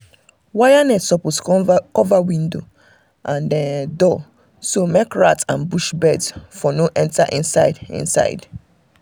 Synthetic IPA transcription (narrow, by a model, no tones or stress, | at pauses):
wajanɛtsɔposkɔvawĩndo | ʔãndɛ̃ndɔ | somekɹatãnbuʃbɛdz̥fɔnoʔɛ̃ntaʔḭ̃nsaɪdḭ̃nsa̰ɪd